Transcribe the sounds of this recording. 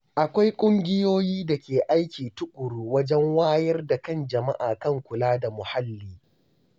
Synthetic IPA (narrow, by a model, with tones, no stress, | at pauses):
ʔa˨kʷa˦jkʷʼʊ˦ŋɡʲɪ˦joː˦jiː˦da˨kʲeː˨ʔa˦jkʲiː˨tʊ˦kʷʼʊ˨ɾuː˦wɐ˦d͡ʒɛ˦ŋwaː˦jɐ˦rda˨kɐ˦nd͡ʒɐ˨ma̰˦ʔaː˨kɐ˦˨ŋkʷʊ˨laː˦da˨mʊ˨ha˦lːiː˦